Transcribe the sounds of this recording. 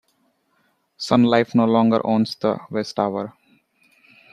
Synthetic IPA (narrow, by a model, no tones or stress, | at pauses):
sʌ̃nlaɪfnoːlɔ̃ːŋɡə̰ɾʔõːnsd̪ə̰ʋesʈaʋəɾ